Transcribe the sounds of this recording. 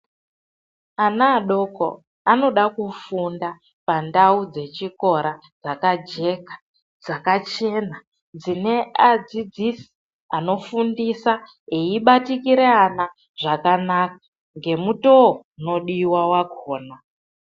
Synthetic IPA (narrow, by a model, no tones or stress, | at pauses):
anaːɗo̞ko̰ | ano̞ɗakufunda | pandaud͡ze̞t͡ʃiko̞ɾa | d͡zakad͡ʒe̞kḁ | d͡zakat͡ʃe̞na | d͡zine̞ad͡zid͡zisi̥ | ano̞fundisa | e̞iɓatikiɾeana | ʐakanakḁ | ŋɡe̞muto̞ | no̞ɗiwawaɡʱoːna